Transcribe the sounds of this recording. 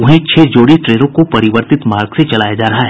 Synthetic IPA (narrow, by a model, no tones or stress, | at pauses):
ʊɦẽt͡ʃʰeːd͡ʒoːɽiʈɾeːlõkopɐɾɪʋəɾt̪ɪt̪maːɾɡset͡ʃɐlaːjad͡ʒaːɾɐɦaɦɛ